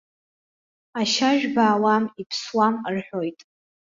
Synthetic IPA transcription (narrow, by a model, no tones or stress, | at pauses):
aʃaʒᶣbaːwamipʰswamrħʷᶣojtʼ